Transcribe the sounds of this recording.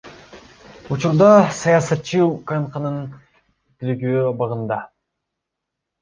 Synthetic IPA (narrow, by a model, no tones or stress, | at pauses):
ut͡ʃuɾd̪ɑsɑjɑsɑt̪t͡ʃːɯkɑɴqɑnɯn | t̪elɡyøbɑʁɯnd̪ɑ